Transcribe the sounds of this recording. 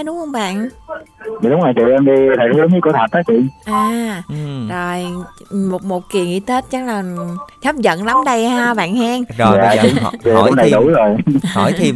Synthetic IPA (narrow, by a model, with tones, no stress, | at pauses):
ɗʊ˨˦ŋ͡mhə˧wŋ͡mɓa̰ː˧˨n˨˩ | ɗʊ˨˦ŋ͡ma˨˩t͡ɕḭ˧˨nʔə˧nɗi˧t̪ʰa˨˩ə˨˦lə˨˦i˧˦ku˧˦t̪ʰə˨˩t̪̚ːaː˦˥kt͡ɕḭ˧˨ənʔaː˨˩ | zo˨˩jmo˨˩t̚mo˨˩t̚ki˨˩əŋʔḭ˧˦t̪ʰe˦˥t̚t͡ɕə˦˥ŋ̚laː˨˩t͡ɕɔ˦˥p̚zə̰˧˨nla˨˦mɗə˧jhaː˧ɓa̰ː˧˨nhaː˧ŋ˨ja̰ː˨˧˨t͡ɕḭ˨˩ʔə˧nɗa˨˧ɗu˧˩˦jzo˨˩j̰jʰi˧